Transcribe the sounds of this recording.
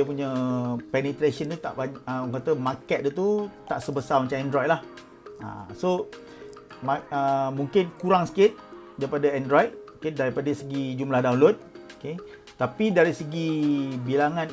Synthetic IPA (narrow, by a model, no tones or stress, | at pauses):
əpuɲapɛnet̪ɾesənt̪ut̪a̰ʔbaəkat̪əmakɛt̪̚dət̪ut̪aʔsəbəsamat͡ʃamɛndɾɔjt̪̚lah | a̰so | maəmuŋkɪnkuɾaŋsə̥kɪt̪̚daɾipadaɛndɾɔjd̚okedaɾipadasəɡid͡ʒumlahdawnlod̚oke | t̪apidaɾisəɡibilaŋãn